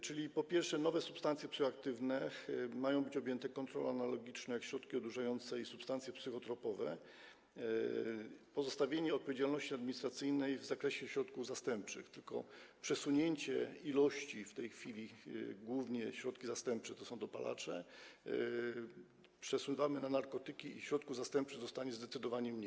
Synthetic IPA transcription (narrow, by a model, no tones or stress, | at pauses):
t͡ʂɘlʲipɔpʲjɛɾʂɛnɔvɛsu̥pst̪ant̪sjɛpsɨxɔakt̪ɘvnɛmajɔ̃w̃bɘt͡ɕɔbʲjɛnt̪ɛkɔnt̪ɾɔ̰lɛanalɔɡʲit͡ʂnɛjakɕɾɔt̪kʲiɔd̪uʐajɔnt̪sɛisupst̪ant̪sʲjɛpsɘxɔt̪ɾɔpɔvɛ̰ | pɔzɔst̪avʲjeɲɛɔt̪̚pɔvʲjed͡ʑalnɔɕt͡ɕiad̪mʲiɲist̪ɾat̪sɘjnɛjvzakɾɛɕɛɕɾɔt̪kuvzast̪ɛmp̚t͡ʂɘ̰xt̪ɘlkɔ̰pʂɛsuɲeɲt͡ɕɛilɔɕt͡ɕift̪ɛjxfʲilʲiɡwuvɲɛɕɾɔt̪kʲizast̪ɛmp̚t͡ʂɛt̪ɔsɔ̃w̃d̪ɔpa̰lʔa̰t͡ʂɛ̰ | pʂɛswuvamɘnanaɾkɔt̪ɘkʲiiɕɾɔt̪kuvzast̪ɛmp̚t͡ʂɘɣzɔst̪aɲɛzd̪ɛt̪sɘd̪ɔvaɲɛmɲe